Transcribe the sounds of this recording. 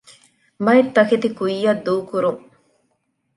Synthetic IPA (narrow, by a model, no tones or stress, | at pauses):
mɐet̪ːɐkit̪ikujːɐd̪ːuːkuɾuŋ